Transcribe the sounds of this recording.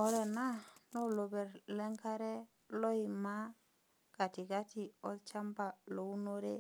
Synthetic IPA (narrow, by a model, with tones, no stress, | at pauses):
o˦ɾɛ˨na˦no˦lo˨be˨ɾlɛ˦ŋka˦ɾe˦ | lo˦i˨ma˦ | ka˨ti˨ka˦ti˨ɔ˦lt͡ʃa˦mba˨lo˨u˦no˦ɾe˦